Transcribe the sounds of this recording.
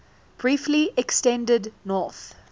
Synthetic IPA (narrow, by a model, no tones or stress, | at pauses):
b̥ɹiˑfliɛkstɛ̃ndədnɔˑθ